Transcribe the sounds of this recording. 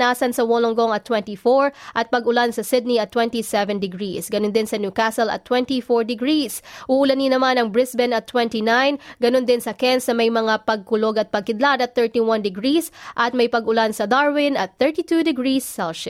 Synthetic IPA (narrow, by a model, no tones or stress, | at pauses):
naːsɐnsɐwoloŋɡoŋɐt̪ːwɛ̃nt̪ifoɹʔɐt̪̚pɐɡʊlansɐsɪd̪̚niɐt̪ːwɛ̃nt̪isɛvɛnd̪ɪɡɹisɡɐnond̪ɪnsɐnjukasɛlɐ̰t̪ːwɛnt̪ifɔɹd̪ɪɡɹisʔuʔʊlɐnːinɐmanɐŋbɹɪsbɛnɐt̪ːwɛnt̪inajnɡɐnond̪ɪnsɐkɛnsɐmɐjmɐŋapɐɡ̚kʊloɡɐt̪̚pɐɡ̚kɪd̪lad̪ɐt̪̚θɛɹt̪iwɐnd̪ɪɡɹisʔɐt̪̚mɐjpɐɡʊlansɐd̪aɹwɪnɐt̪̚θɛɹt̪it̪ud̪ɪɡɹisːalʃɪ